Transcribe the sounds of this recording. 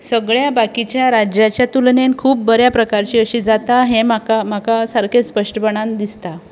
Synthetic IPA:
səɡɭjabakit͡ɕjaɾad͡ʑjat͡ɕjat̪ulnenkʰuːp̚bəɾjapɾəkaɾt͡ɕiːəɕiːd͡zat̪aɦẽmakam̤akasaɾkʰespəʂʈəpəɽ̃ãnd̪ist̪a

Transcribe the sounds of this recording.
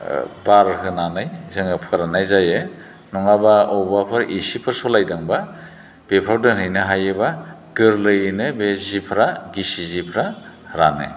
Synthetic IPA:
baɾɦɯnanajzɯŋɯpʰɯɾanajzaje | nɔŋabaɔwbapʰɯɾʔisipʰɯɾsɔlajdaŋba | b̥epʰɾawdɯnɯjnɯɦajɯba | ɡɯɾlɯjnɯbezipʰɾaɡisizipʰɾa | hɾanḛ

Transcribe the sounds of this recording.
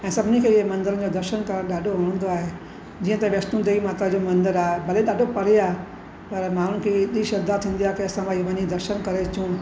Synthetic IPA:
ɛ̃ːsɐbʱɪnikʰeːɪɦemɐ̃nd̪əɾən̆d͡ʑoːd̪ɐɾʃənkɐɾə̃ɗaːɖʱoɦɐɽ̃ə̃nd̪oaːɦe | d͡ʑiːə̃t̪ɐʋɐst̪ũd̪eimaːt̪ɾəd͡ʑomɐ̃nd̪əɾaːɦebɐleɗaːɖʱopɐɾeaːɦe | pɐɾmaːn̤ʊnɪ̆kʰeɗiːʃɐɾd̪aːt̪ʰːĩːnd̪ijaːɦekʰeɐsãbaːiːʋɐɲid̪ɐɾʃənkɐɾet͡ɕũ

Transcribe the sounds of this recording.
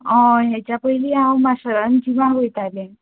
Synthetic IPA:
ɔ̃ɦɛt͡ɕjapəiliãwmasəɾənd͡ʑiʋãɦojt̪ale

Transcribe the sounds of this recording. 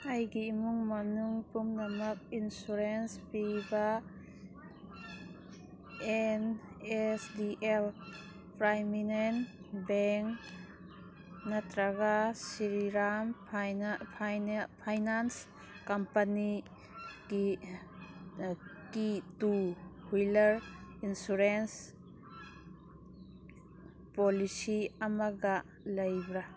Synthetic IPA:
ajɡimuŋmɐnuŋpumnamak̚insuɾenspiba | enesdiʔel | pɾajminenbɛŋ | nat̪ɾaɡasiɾiɾamʰ | pʰajnans | kampani | ki | kituhujlɐɾinsuɾens | pɔlisiamaɡa | lɐjbɾa

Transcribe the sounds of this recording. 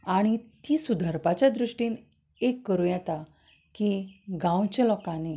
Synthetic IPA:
aɽ̃it̪iːsud̪ʱəɾpat͡ɕjad̪ɾuʂʈiːn | ekːəɾujɛt̪a | kiɡãwt͡ɕelɔkane

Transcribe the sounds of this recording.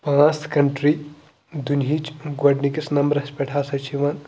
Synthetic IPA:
pãːst̪ʰkɐɳʈɾi | d̪unɦiːt͡ʃɡwɐɖnikɐsnɐmbɐɾɐspʲeʈʰaːsɐt͡ʃiʋɐn

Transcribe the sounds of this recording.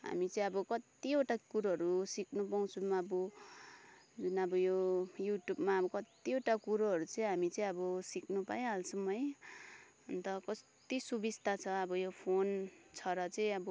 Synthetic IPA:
ɦa̰mit͡sʌĩʌbʌkʌt̪ioʈakuɾʌɦʌɾusiknupaw̃t͡sʰumaʌbu | d͡zunʌbʌjojuʈjubmabʌkʌt̪ioʈakuɾoɦʌɾut͡sʌĩɦamit͡sʌĩʌbʌsiknupajẽɦalsʌmʌj | ʌnt̪ʌkʌst̪isubist̪at͡sʰʌʌbʌjopʰont͡sʰʌɾʌt͡sʌĩʌbʌ

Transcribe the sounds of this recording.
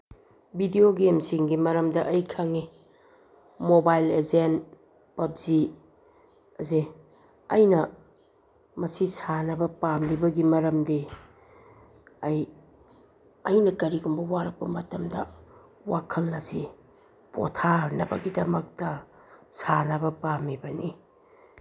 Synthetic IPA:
bʱidioɡemsiŋɡimɐɾɐmdɐʔɐjkʰaŋi | mobajlezen | pɐp̚zi | ɐzi | ɐ̰jnɐ | mɐsisanɐbɐpamlibɐɡimɐɾɐmde | ɐj | ɐjnɐkɐɾiɡumbɐwaɾɐk̚pɐmɐtɐmdɐ̰ | wakʰɐlːɐzi | po̰tʰanɐ̰bɐ̰ɡidɐmɐk̚tɐ | sanɐbɐpamibɐni

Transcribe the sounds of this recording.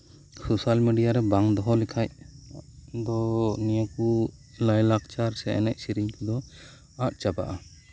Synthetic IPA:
sosalmiɖijaɾɛbaŋd̪ɔɦɔlikʰaj | d̪ɔnijaku | lajlakt͡ʃaɾsɛɛ̰nɛ̰c̚siɾiɲkud̪ɔ | aʔ̚t͡ʃaba̰ʔa

